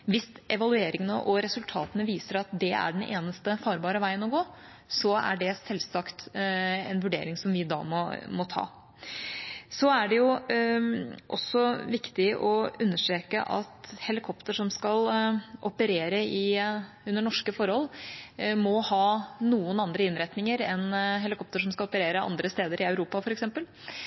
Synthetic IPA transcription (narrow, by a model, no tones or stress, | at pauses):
ʋɪsʔɛʋɑlʉeːɾɪŋənəʔɔɾɛsʉlt̪ʰɑːt̪ənəʋiːsəɾɑt̪̚d̪ɛæ̰ɖɛnʔḛːnəst̪əfɑːɾbɑːɾəʋæɪənɔɡoː | sɔæ̰ɖɛsɛlsɑkt̪ɛ̰nʋʉɖḛːɾɪŋsɔmʋɪd̪ɑ̰ːmɔmɔt̪ʰɑ̰ː | sɔæɖɛjʊ | ʔɔ̰sːɔʋɪkt̪ɪʔɔʉnːəʂʈɾeːkə̰ʔɑ̰t̪hɛlɪkʰɔpt̪əʂɔmskɑlʔɔpəɾeːɾəɪ | ʉnːəɳɔʂkəfɔɾhɔlː | mɔhɑːnuːənɑnd̪ɾəɪnɾɛt̪nɪŋəɾɛnɦɛlɪkʰɔp̚t̪əʂɔmskɑlɔpəɾeːɾəʔɑ̰nd̪ɾəst̪eːd̪əɾɪœʉɾuːpɑfɔɾɛksɛmpəl